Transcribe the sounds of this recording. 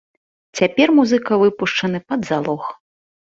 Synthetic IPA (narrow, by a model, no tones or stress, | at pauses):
t͡sʲapʲɛrmuzɨkɐvɨpuʂt͡ʂɐnɨpɐd̪zalˠɔx